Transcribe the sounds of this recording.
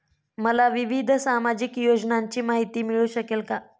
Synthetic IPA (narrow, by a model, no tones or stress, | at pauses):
məlaʋiʋid̪ʱsamad͡ʑikjod͡ʑnaɲt͡ɕiːmaɦit̪iːmiɭuːɕəkelka